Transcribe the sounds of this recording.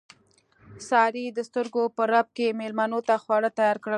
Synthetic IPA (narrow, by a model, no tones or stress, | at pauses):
sɑɾid̪əst̪əɾɡopəɾab̚kemelmanot̪axwɑɽət̪ajɑɾkɽə